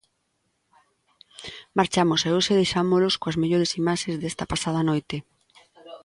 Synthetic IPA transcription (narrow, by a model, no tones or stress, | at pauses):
maɾt͡ʃamosɛoseðejʃamoloskoɐzmeʎoɾesimaʃẽzðest̪ɐpasað̞ɐnojt̪e